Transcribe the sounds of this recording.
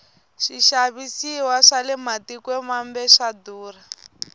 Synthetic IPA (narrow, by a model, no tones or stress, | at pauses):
ʃiʃaβisiwaʂalɛmatikwɛmambɛʂaduːra